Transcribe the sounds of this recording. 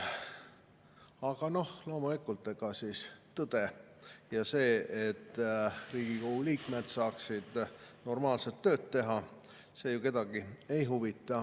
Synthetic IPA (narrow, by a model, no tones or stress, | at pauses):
ɑɡ̥ɑno̞hlo̞ːmulikult̪ːˑeɡ̥ɑsist̪ɤd̪̥e̞ | jɑse̞ːet̪ːˑriːɡ̥iko̞uliːkme̞d̪sɑːksid̪̥no̞rmɑːlse̞lt̪ːø̞ːt̪t̪ːe̞ɦɑ | se̞ːjuke̞d̪̥ɑɡ̥ie̞jɦuvit̪ːˑɑ